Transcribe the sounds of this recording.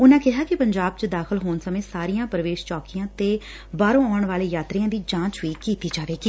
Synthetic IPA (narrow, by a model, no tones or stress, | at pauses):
ʊnãːkɪɦaːkɪpəɲd͡ʒaːb̚t͡ʃəd̪aːxʰəlɦoːnsəmẽːsaːɾijãːpɾəʋeːʃt͡ʃɔːkiãːt̪eː | baːɾõːaːɳʋaːleːjaːt̪ɾɪãːd̪iːd͡ʒãːt͡ʃʋiːkiːt̪iːd͡ʒaːʋeːɡiː